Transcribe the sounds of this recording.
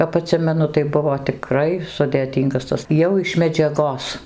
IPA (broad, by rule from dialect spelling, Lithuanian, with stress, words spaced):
kɐp ɐˈtʲsʲɪmʲɛnʊ tɐɪ ˈbʊʋoː tʲɪˈkrɐɪ sʊdʲeːˈtʲiːŋɡɐs ˈtɐs ˈjɛʊ ɪʃ mʲɛd͡ʒʲɛˈɡoːs